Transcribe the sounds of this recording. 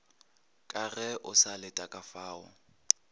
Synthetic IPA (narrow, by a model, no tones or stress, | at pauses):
kʼarɛʔʊsalɪtʼakʼafaːʊ̰